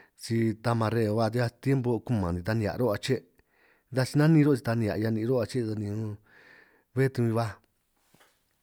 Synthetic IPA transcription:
t͡ʃi˧t̪a˧mã˧ɾe˧˨˧βa˧t̪i˧a˧t̪je˦mbo˧ku˦mã˨d̪ĩ˧t̪a˧nĩ˧ja̰˨˧ɾo˦a˧t͡ʃe˦ | d̪a˧t͡ʃi˧nã˦nĩ˧ɾo˦t͡ʃi˧t̪a˧nĩ˧a̰˨˧a˧nĩ˧ɾo˦a˧t͡ʃe˦˧ða˧nĩ˧õ˧ | βe˦t̪u˧ĩ˧βa˦

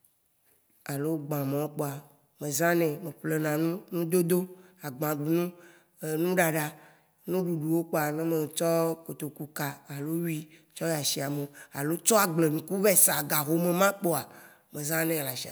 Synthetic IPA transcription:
a˨lo˦ɡ͡bã˨mẽ˨wo˦k͡po˦a˨ | mẽ˨zã˦nɛ̃˨mẽ˨ɸle˨nã˨nũ˦nũ˦d̪o˦d̪o˦a˨ɡ͡bã˨ɡ͡bu˨nũ˦ | e˨nũ˦ɖa˨ɖa˨ | nũ˦ɖu˨ɖu˨wo˦k͡po˦a˨nẽ˦me˨t͡ʃɔ˦ko˨t̪o˨ku˨ka˨a˨lo˦wi˦ | t͡ʃɔ˦ja˨ʃi˨a˨me˨a˨lo˦t͡ʃɔ˦a˨ɡ͡ble˨nũ˨ku˦vɛ˦sa˨ɡa˨ɦo˨me˨mã˦k͡po˦a˨ | mẽ˨zã˦nɛ̃˨la˨ʃi˨a̰˨

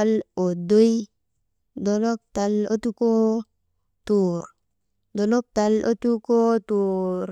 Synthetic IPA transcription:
a˦lo˨do˦i˦ | do˨lo˦k̚ta˧lo˦tu˦ko˦ | tu˨ɾ | do˨lo˦k̚ta˧lo̰˦tu˦ko˦tu˨ɾ

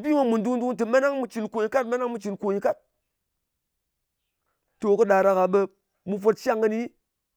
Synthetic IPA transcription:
bi˦ma˦mu˨ndu˦ŋdu˦ŋtɨ˨ma˦na˦ŋmu˧t͡ʃi˨nko˨ɲi˨ka˦tma˦na˦ŋmu˧˦t͡ʃi˨nko˨ɲi˨ka˦t̚ | to˨kɨ˦ɗa˨ɾa˨ka˨ɓe˧ | mu˧fo˧t̚t͡ʃa˦ŋːə˧˦ni˦

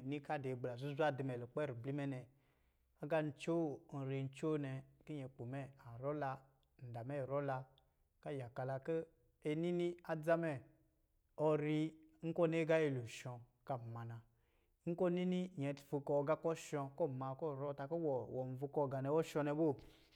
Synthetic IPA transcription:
ni˦ka˦de˨ɡ͡bla˨zu˦za˦di˨mɛ˨lo˨k͡pɛ˦ɾi˨bli˦mɛ˦nɛ˨ | a˦ɡa˦n̩˦t͡ʃo˦˨n̩˨ɾe˧n̩˦t͡ʃo˦nɛ˧ki˦ɲɛ˧k͡po˨mɛ˦a˨ɾɔ˦la˧ | n̩˨da˨mɛ˦˨ɾɔ˦la˧ | ka˦˨ja˨ka˨˧la˨˧ke˦ | e˧ni˦ni˦a˦d͡za˦mɛ˨ | ɔ˧ɾi˧ŋ̩˦kɔ˦ne˦ɡa˦je˧lu˨ʃɔ˧ | ka˨ma˨na˨ | ŋ̩˦ko˦ni˦ni˦jɛ˨tfu˧kɔ˧ɡa˦kɔ˦ʃɔ̃˧ko˦˨ma˨ko˦˨ɾɔ˦˨ta˧ko˦wɔ˨wɔ˨n˨vu˧kɔ˦˨ɡa˨nɛ˧wɔ˦ʃɔ˧nɛ˧bo˦˨

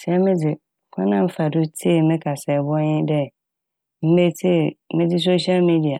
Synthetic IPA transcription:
sɛ˨ɛ˦mɪ̃˦dɪ˨ | kʰɔ̃˦nã˦m̩˦fa˨dʊ˦tʰi˦˨mɪ̃˦kʰa˨sɛ˨bɔ̃˦ɲɪ˦dɛ˦ | m̩˦be˦tʰi˦˨mɪ̃˦dɪ˦s̬o˦ɕi˦a˦lmi˦di˨a˨

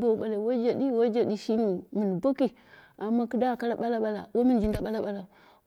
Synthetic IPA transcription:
bo˦˨ɓa˨la˨wo˦d͡ʒa˨ɗi˦wo˦d͡ʒa˨ɗi˦ʃi˦ni˨mɨ˨n˨bo˦ki˨ | a˨mːa˦ku˦da˦˨ka˦ɾa˨ɓa˦la˦ɓa˦la̰˨wo˦mi˦nd͡ʒi˨nda˨ɓa˦la˦ɓa˦˨la˨

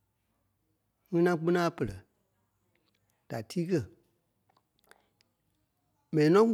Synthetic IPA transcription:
ŋĩ˦nã˧k͡pĩ˦nãː˦˨pə˨lə˨ | d̥a˨tiː˦kɜ˦˨ | mɛ̃˨nĩ˨nɔ̃˦

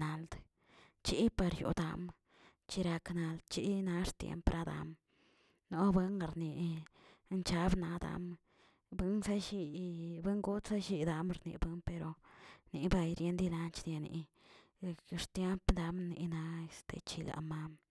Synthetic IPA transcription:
na˨ld̪ | t͡ʃi˦pa˧ɾjṵ˨d̪a̰˧m | t͡ʃi˧ɾa˧kna˧ld̪t͡ʃi˧˦na˧ɾt̪jḛ˧mpɾʔa˧d̪a̰˨˧m | no˦bɨ˧ŋ˧ɾni˨˧ | nt͡ʃa˦bna˧d̪a̰˧m | bɨ˧nsa˦ʃi˧bɨ˦ŋɡu˦t̪sa˦ʃi˧d̪a˧mɾnḭ˨˧bɨ˦mpe˧ɾo˧ni˧ba˧jɾje˧˦nd̪i˧la˧nt͡ʃd̪ja˧nḭ˨˧ | ɾt̪je˦mpd̪a˧mni˧na˧e˧st̪ʰḛ˧t͡ʃi˧la̰˨ma˧m

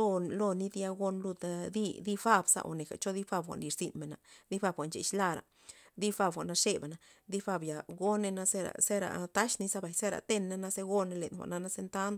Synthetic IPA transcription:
o˧lo˧ni˦d̪i˦a˧ɡo˧nlu˧d̪d̪i˦d̪i˦fa˦˧bsa̰˧ʔo̰˨ne˨ka̰˨t͡ʃo˦d̪i˦fa˧bxʷa̰˨nli˨˧ɾzi˧nme˨na̰˨d̪i˦fa˧bxʷa˨nt͡ʃḛ˨ʃla˧ɾa̰˨ | d̪i˦fa˧bxʷa˨na˧ʂe˦be˨na˨ | d̪i˦fa˧bja˨ɡo˦ne˧na˧se˦ɾa̰˨se˦ɾa̰˨t̪a˦ʃni˦sa˦ba˨jse˦ɾa̰˨t̪e˧nːa˦na˧˦se˧ɡo˦ne˧le˨nxʷa̰˨ʔna˧na˦se˧nt̪a˦nd̪

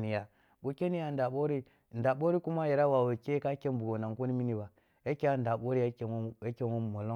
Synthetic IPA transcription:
ni˨ja˨ | ɡo˨ke˦ni˦ja˨n˨da˨ɓo˦ɾi˦˨ | n̩˨da˨ɓo˦ɾi˦ku˦ma˦je˨ɾa˦wa˨we˨ke˦ka˦ke˦m˦bu˨ɡo˨na˨ŋ˨ko˦ni˦mi˦ni˨ba˨ | je˦ke˦ja˦n˦da˨ɓo˦ɾi˦je˦ke˦wo˦˨mo˨lo˦

